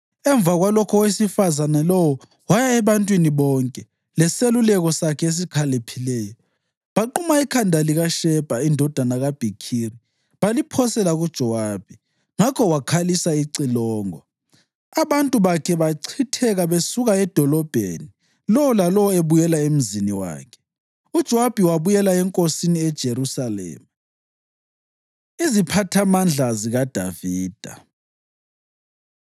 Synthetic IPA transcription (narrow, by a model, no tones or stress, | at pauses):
ɛɱb̪vʱaɣwalɔkʰɔwesifazanalɔwɔ | wajaɛβantʼwiniβɔŋkʼɛ | lɛselulɛɣɔsakʰɛes̬ikʰalepʰilɛːjɔ | βaǃumaikʰandʱaliɣaʃɛb̥ʱaindʱɔd̥ʱanaɣab̥ʱikʰiri | βalipʰɔsɛlaɣud̥ʒ̥ʱɔwab̥i | ŋakʰɔwakʰalisaiǀilɔːŋɔ | aβantʼuβakʰɛβaǀʰitʰɛɣaβesuɣaɛd̥ʱɔlɔb̥ʱeni | lɔwɔlalɔwɔeβujɛlaem̩ziniwa̰ːkʰɛ̥ | ud̥ʒ̥ʱɔwab̥ʱiwaβujɛlaɛŋkʼosiniɛd̥ʒ̥ʱeɾusalɛ̰ːma | izipʰatʰamand͡ɮʱaziɣad̥ʱaviːd̥ʱa